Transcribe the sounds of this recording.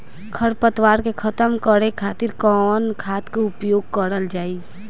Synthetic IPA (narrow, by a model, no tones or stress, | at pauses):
kʰəɾpət̪waːɾkekʰət̪əmkəɽekʰaːt̪ɪɾkɔnkʰaːt̪keʊpjoːɡ̚kəɾəld͡ʒaːiː